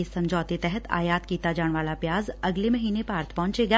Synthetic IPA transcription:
esɐ̃ɲd͡ʒɔːt̪et̪ɛɦət̪ʰa̰ːjaːt̪kiːt̪ad͡ʒaːɽ̃ʋaːlapjaːzɐɡlemɐɦiːnepaːɾt̪ʰpɐɦʊ̃t͡ʃeːɡaː

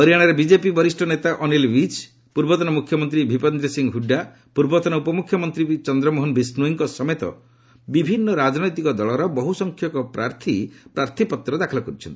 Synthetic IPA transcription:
ɔɾijaɽ̃ɔɾebid͡ʒepibɔɾisʈʰɔnet̪aʔɔnilwit͡ʃ | puɾbɔt̪ɔnɔmukʰjɔmɔnt̪ɾibʱipɔnd̪ɾɔsiŋɦuɖːa | puɾbɔt̪ɔnɔupɔmukʰjɔmɔnt̪ɾit͡ʃɔnd̪ɾɔmoɦonbʱisnuiŋkɔsɔmet̪ɔ̰ | bibʱinːɔɾad͡ʒɔnɔjt̪ikɔd̪ɔɭɔɾɔbɔɦusɔŋkʰjɔkɔpɾaɾt̪ʰipɾaɾt̪ʰipɔt̪ːɾɔd̪akʰɔlɔkɔɾit͡ʃʰɔnt̪i̥

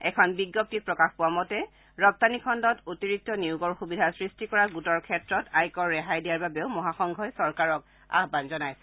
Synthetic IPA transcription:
ɛ̰kʰɔnbiɡːɔp̚tipɹɔkaxpʊwamɔtɛ | ɹɔp̚tanikʰɔndɔtotiɹik̚tɔniʊɡɔɹxubidʱasɹistikɔɹaɡutɔɹkʰɛtɹɔtajkɔɹːɛɦajdijaɹbabɛʊmɔɦaxɔŋɡʱɔjsɔɹkaɹɔk | a̰ɦbanzɔnajsɛ̥

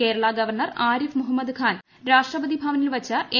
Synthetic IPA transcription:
keːɾɐɭaɡɐʋɐrɳɐraːɾifmuɦɐmːɐd̪kʰaːn | ɾaːʂʈrɐbɐd̪ibʱaːʋɐnilʋɐt͡ɕːɐʔe

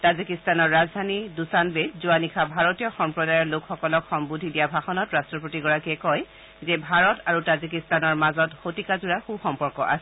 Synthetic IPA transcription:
tazikistanɔɹːazdʱanidusanbedzuwanikʰabʱaɹɔtijɔxɔmpɹɔdajɔɹlokxɔkɔlɔkxɔmbudʱidijabʱaxɔnɔtɹastɹɔpotiɡɔɹakiɛkɔj | zɛbʱaɹɔtaɹutazikistanɔɹmazɔtxotikazuɹaxuxɔmpɔɹkɔʔa̰sɛ

